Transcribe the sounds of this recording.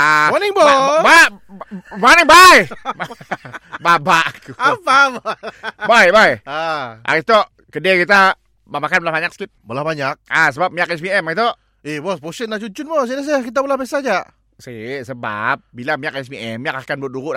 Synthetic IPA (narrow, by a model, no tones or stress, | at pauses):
amaniŋboba | manəŋbajma | babaʔkuapabbajbajaa̰ɣit̪oʔ | kədekit̪a | mamakanbəlahbaɲak̚skit̪̚bəlahbaɲak̚asəbap̚miak̚ɛsbiɛmait̪oʔ | ibɔsposənaʔt͡ʃuɲt͡ʃʊnpos̬idas̬əkit̪̬abolahbesad͡ʒaʔ | sesəba̰p̚bilamiak̚ɛsbiʔɛmːiak̚akanbut̪̚duɾuʔa